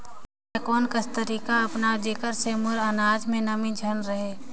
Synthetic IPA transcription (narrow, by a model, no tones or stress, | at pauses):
ekoːnkəst̪əɾiːkaɐpnad͡ʒeːkəɾsemʊɾənaːd͡ʒmẽnəmĩd͡ʒʱənɾəɦeː